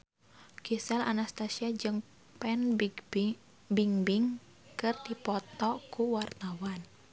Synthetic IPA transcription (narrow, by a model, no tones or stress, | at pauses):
ɡ̥esɛla̰nast̪asiad͡ʒɨŋ | pɛn | biŋbiŋ | kɨrd̪ipɔt̪ɔkuwart̪awan